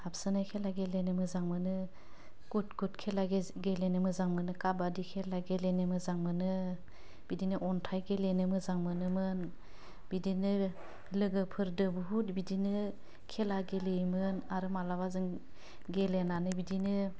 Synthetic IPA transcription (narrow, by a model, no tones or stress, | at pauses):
hapsɯnajkʰelaɡelenɯmɯzaŋmɯnɯ | kutɡutkʰelaɡe | ɡelenɯmɯzaŋmɯnɯkabadikʰelaɡelenɯmɯzaŋmɯnɯ | b̥idinɯʔɔntʰajɡelenɯmɯzaŋmɯnɯmɯn | b̥idinɯ | lɯɡɯpʰɯɾdɯbuɦutbidinɯ | kʰelaɡelejmɯnaɾɯmalaβazɯŋ | ɡelenanɯbidinɯ